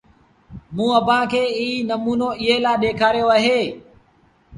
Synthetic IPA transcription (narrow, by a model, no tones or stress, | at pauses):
mũːəpãːkʰeːiːnəmuːnoːɪɦeːlaːɗeːkʰaːɾijoːaːɦeː